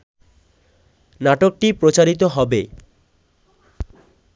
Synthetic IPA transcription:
naʈok̚ʈipɾot͡ɕaɾit̪oɦɔbe

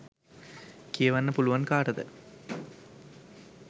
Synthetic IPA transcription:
kiɐʋɐnːɐpulʊʋɐnkaːʈɐðɨ̰

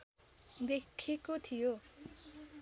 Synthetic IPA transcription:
d̪ekʰːikot̪ʰijo

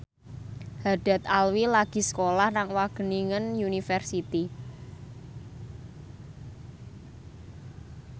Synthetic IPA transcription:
haɖ̥a̤t̪̚alwilaɡ̥i̤sə̥kolahnaŋwaɡ̥ə̤niŋənjunifɛrsit̪i

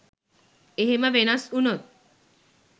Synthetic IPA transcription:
eɦeməʋenɐsunot̪̚

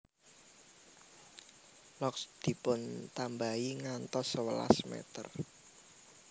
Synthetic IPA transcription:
lɔksd̪̥i̤pʊnt̪ambaiŋant̪ɔsəwəla̰smɛ̰t̪ə̰r

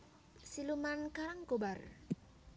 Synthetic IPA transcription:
silumankaɾaŋkobar

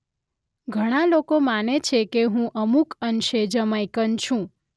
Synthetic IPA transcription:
ɡʱəɽ̃alokomanet͡ʃʰekeɦũʔəmukənʃed͡ʒəmajkənt͡ʃʰũ

